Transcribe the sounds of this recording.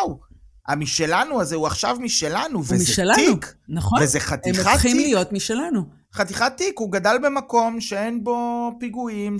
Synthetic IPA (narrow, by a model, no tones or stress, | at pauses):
w | a̰miʃe̞lanuazeuaχʃavmiʃe̞lanuvemizʃelaiuknaχovezeχat̪imχaχimlijo̞t̪miʃelanu | χat̪iχat̪ːikuɡadalbe̞mako̞mʃe̞enbo̞piɡuim